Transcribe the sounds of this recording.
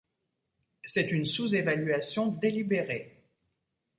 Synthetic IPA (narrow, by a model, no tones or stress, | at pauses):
sɛt̪ynsuzevalɥasjɔ̃d̪elibeʁe